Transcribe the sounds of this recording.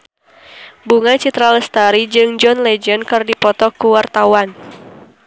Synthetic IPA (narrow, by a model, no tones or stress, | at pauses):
buŋat͡ʃit̪ɾaləst̪aɾid͡ʒɨŋd͡ʒɔnlɛd͡ʒənkɨrdipɔt̪ɔkuwart̪awan